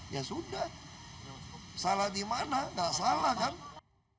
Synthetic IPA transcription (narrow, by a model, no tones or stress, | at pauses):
jasundah | salad̪imanaŋɡaʔsalakan